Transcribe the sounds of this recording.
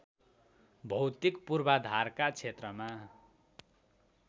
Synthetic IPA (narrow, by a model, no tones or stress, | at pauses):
bʱʌwt̪ikpurbad̪ʱarkat͡sʰet̪rʌma